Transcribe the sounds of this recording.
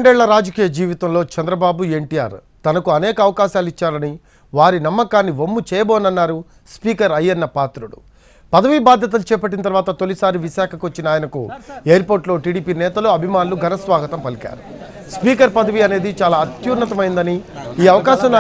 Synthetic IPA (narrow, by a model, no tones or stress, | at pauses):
ɳɖɛːɭːɐɾaːd͡ʒɐkiːjɐd͡ʒiːʋit̪ɐmloːt͡ʃɛnd̪ɾɐbaːbue̞ɳʈija̰ːɾ | t̪ɐnɐkuɐnɛːkɐːʋɐkaːʃaːlit͡ʃːaːlɐni | ʋaːɾinɐmːɐkaːnːiʋomːut͡ʃɛːjɐbɔːnɐnːaːɾu | spiːkɐɾɐjːɐnːɐpaːt̪ɾuɽṵ | pɐd̪ɐʋibaːd̪ʱjɐt̪̬ɐlut͡ʃɛːp̬ɐʈ̬ːinɐt̪̬ɐɾʋaːt̪ɐt̪o̞lisaːɾiʋiʃaːkʰɐkuʋɐt͡ʃːinɐaːjɐnɐkṵeːjɐɾpo̞ːɾʈlo̞ːʈiːɽiːpiːnɛːt̪ɐluɐbʱimaːnuluɡʱɐnɐsʋaːɡɐt̪ɐmpɐlika̰ːɾu | spiːkɐɾpɐd̪ɐʋiɐne̞ːd̪it͡ʃaːlaːɐt̪juːɾnɐt̪ɐmɐjnd̪ɐniːɐʋɐkaːʃɐma